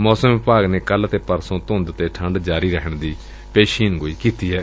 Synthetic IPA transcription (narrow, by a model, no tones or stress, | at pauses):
mɔːsəmʋɪpaːɡneːkəlt̪eːpəɾsõːt̪ʊ̃nd̪t̪eːʈʰəɳɖd͡ʒaːɾiːɾɛkəɳd̪iː | peːʃiːnɡoːiːkiːt̪iːɦɛː